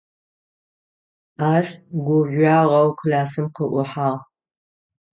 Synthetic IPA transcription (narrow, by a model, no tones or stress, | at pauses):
aːrɡʷʊʒʷaːʁɐwkʰlaːsɨmqəʔʷʊħaːʁ